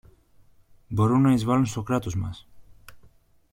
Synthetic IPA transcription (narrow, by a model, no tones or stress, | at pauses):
boɾunajzβalonsokɾat̪uzma̰s